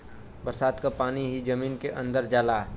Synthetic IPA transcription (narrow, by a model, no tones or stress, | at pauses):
bəɾsaːd̪kapaːniɦid͡ʒɐmiːnkeʔɐ̃nd̪əɾd͡ʒaːla